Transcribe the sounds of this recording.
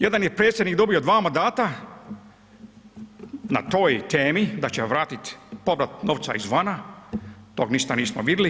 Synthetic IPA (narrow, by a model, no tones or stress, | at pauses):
jed̪anjepɾe̞ːt̪sʲjed̪nikd̪o̞bijod̪ʋaːmand̪aːt̪a | na̰t̪o̞ːjt̪eːmid̪at͡ɕeʋɾaːt̪it̪pobɾat̪noʋt̪sa̰izʋana | t̪oːɡniʃt̪aniːsmoʋid̪li